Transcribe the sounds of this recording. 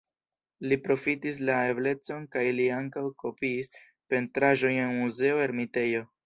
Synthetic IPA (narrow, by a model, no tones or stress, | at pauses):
lipɾo̞fitis̬lae̞ble̞t͡so̞nkajliaŋkawko̞piːs | pe̞ntɾaʒo̞jenmuze̞o̞e̞ɾmite̞jo̞